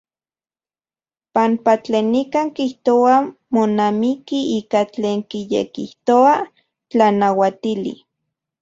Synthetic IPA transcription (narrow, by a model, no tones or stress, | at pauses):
pampat͡ɬeːnːikaːŋkiht̪oamonamikiiːkat͡ɬeːŋkijḛkiht̪oa | t͡ɬanawat̪ilḭ